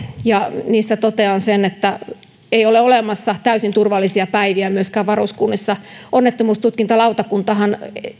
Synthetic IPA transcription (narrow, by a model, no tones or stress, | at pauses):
jɑniːsːæt̪ot̪eɑnsenet̪ːæ | eioleolemɑsːɑt̪æysint̪urʋɑlːisiɑpæiʋiæmyøskæːʋʋɑruskunːisːɑonːet̪ːomuːst̪ut̪̚kint̪ɑlɑut̪ɑkunt̪ɑhɑn